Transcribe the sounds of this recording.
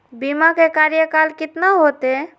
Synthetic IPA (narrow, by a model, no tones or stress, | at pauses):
bimakekaːɾjəkalkɪt̪naɦoːt̪e